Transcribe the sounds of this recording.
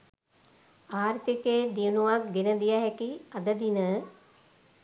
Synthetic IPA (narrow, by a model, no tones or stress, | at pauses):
aːrt̪ikeːd̪ijunuʋakɡenəd̪ijaɦɛkiad̪əd̪inə